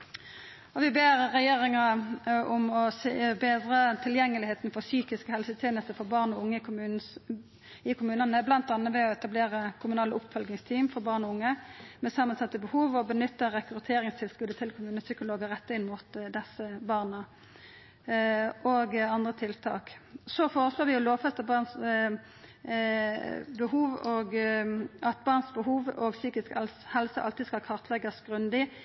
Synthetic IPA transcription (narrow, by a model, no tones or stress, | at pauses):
ɔʋɪbeːʁʁɛjeːʁɪŋɑʊmɔsebeːd̪ʁət̪ʰɪljɛŋːəlɪheːt̪n̩fɔʁsyːkɪskəhɛlsət̪ʰjeːnəst̪əfɔʁbɑːʁnɔʊŋːə | ɪkʰʊmʉːnənəblɑnt̪ɑnəʋɛɔɛt̪ɑbleːʁəkʰʊmʉnɑːləʔʊpfœlɡnɪŋst̪ʰiːmfɔʁbɑːʁnɔʊŋːəmɛsɑmənsɑt̪ːəbəhuːʋɔbənʏt̪ːəʁɛkɾʉt̪ʰeːɾɪŋst̪ʰɪlskʉd̪ət̪ʰɪlkʰʊmʉːnəsʏkʊloːɡəʁɛt̪ːəɪnmut̪d̪ɛsəbɑːʁnə | ʔoːɡɑnd̪ʁət̪ʰɪlt̪ʰɑ̰ːksɔfoːʁəsloːʁʋɪjʊloːʋfɛst̪ɑbɑːʁns | bəhuːʋɔɡ | ɑt̪̚bɑːʁnsbəɦuːʋɔɡsyːkɪskɛlhɛlsəʔɑ̰lt̪ɪskɑlkʰɑʁt̪ʰlɛɡəsɡ̥ʁʉnd̪ɪ